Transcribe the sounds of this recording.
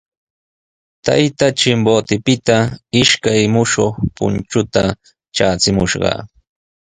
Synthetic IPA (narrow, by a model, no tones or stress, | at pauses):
t̪a̰jt̪at͡ʃɪmbot̪ɪpɪt̪aɪʃkajmʊʃoχpʊ̰nt͡ʃʊt̪a | t͡ʃaːt͡sɪmʊʃɢɑ̰